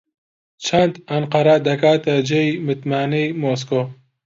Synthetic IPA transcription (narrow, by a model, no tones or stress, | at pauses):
t͡ʃʰand̪ɐnqɐɾad̪ɐkaːt̪ɐd͡ʒejmɪt̪maːnejmos̬ko